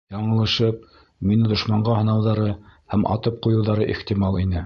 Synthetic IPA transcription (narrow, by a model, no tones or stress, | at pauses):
jɑɴɤ̆lˠɤ̆ʃɤp̚ | minɘd̪ŏʃmɑɴɢɑhɤ̆nɑwðɑɾɤhæmʔɑ̰t̪ɤp̚qujɤ̆wðɑɾɤʔḭχt̪imɑlˠinɘ